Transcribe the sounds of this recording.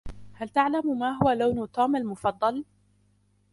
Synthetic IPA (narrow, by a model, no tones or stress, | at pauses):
halt̪aʕlammaːɦʊwalawnʊt̪ɑːmalmʊfɑd̪ˤːɑl